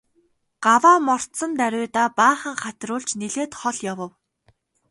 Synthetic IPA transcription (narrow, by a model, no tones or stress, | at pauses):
ɢ̥awaːmɔr̥t̪sɞ̆nt̪æɾʲʊːt̪aːpaːχə̆ŋχat̪rʊːɮt͡ɕneɮeːt̪χɔɮjawə̆w